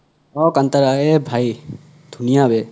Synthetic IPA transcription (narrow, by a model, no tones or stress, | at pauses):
ɔkant̪aɾaebʱaj | d̪̥ʱunijabe